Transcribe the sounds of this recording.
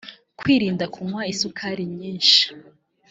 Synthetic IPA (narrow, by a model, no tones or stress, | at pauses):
kwiːɾiːndakʰumŋwaisukʰaɾimɲiːnʃi̥